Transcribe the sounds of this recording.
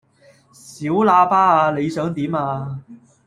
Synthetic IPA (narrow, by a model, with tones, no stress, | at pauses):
siː˨˥wlaː˧paː˥aː˧le˨˧jsœː˨˥ŋt̪iː˨˥maː˧